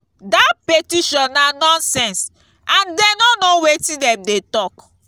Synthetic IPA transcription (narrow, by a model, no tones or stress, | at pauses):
dapetiʃɔ̃nːanɔ̃nsɛ̃ns | ãndenɔnowetĩdɛmdetɔk